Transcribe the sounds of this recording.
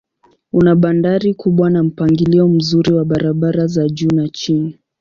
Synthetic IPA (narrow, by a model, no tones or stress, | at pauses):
unaɓandaɾikuɓwanam̩paŋɡiliɔm̩zuɾiwaɓaɾaɓaɾazaʄuːnat͡ʃini